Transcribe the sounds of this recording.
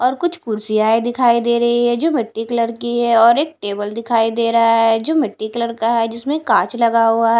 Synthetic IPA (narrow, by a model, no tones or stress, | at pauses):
ɔːɾkʊt͡ʃʰkʊɾsijaːed̪ɪkʰaːid̪eːɾɐɦiɦɛd͡ʒoːmɪʈːiːkləɾkiɦɛɔːɾeːk̚ʈeːbəld̪ɪkʰaːid̪eːɾɐɦaɦɛd͡ʒoːmɪʈːiːkʊləɾkaɦɛd͡ʒɪsmẽkãːt͡ʃlɐɡaɦuaɦɛ